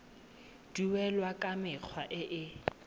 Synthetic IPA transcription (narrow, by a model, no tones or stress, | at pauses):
d̥iwɛlwakʼamɪk͡xʰwaʔɪʔɪ